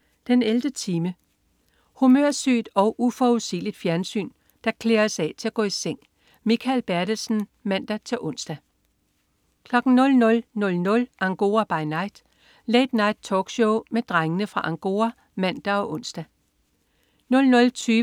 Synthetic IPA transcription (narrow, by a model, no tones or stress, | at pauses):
d̥eneld̥ət͡sʰiːmə | humøɐ̰sy̰ːd̥ɒ̽ʊʔufɒːuðˠsḭːlid̥fjæɐnsy̰ːn | d̥ɑ̈kʰle̝ːɐsɛ̰t͡sʰe̝læɡ̥ɔ̰̽ːiseŋ̰ | mikʰælb̥æɐɾ̥əsn̩ | mæn̰d̥æt͡sʰe̝lʔɔ̽n̰sd̥æ | kʰlɒ̽ɡ̥n̩nɔ̽lnɔ̽lnɔ̽lnɔ̽lʔɑŋɡ̥o̝̰ːɐb̥ɑ̈ɪnɑ̈ɪ̰d̥ | leɪd̥nɑ̈ɪd̥̚t͡sʰɒːɡ̥ɕoʊmed̥ʁaŋənəfʁɑ̈ʔɑŋɡ̥o̝̰ːɐ | mæn̰d̥æɒ̽ʔɔ̽n̰sd̥æ | nɔ̽lnɔ̽lt͡sʰyː